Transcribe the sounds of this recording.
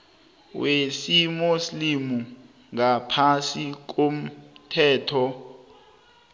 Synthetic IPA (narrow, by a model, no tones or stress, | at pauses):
wesimuslimu | ŋapʰasik̬om̩tʰɛːtʰɔ